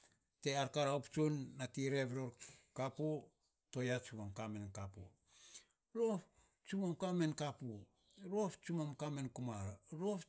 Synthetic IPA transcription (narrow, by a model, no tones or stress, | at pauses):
te̞aɾkaɾaopt͡ʃunːatiɾe̞βɾoɾkapu | to̞jat͡ʃumamkamenkapṵ | ɾop | t͡ʃumamkamenkapu | ɾo̞pt͡ʃumamkamenkumaɾɾop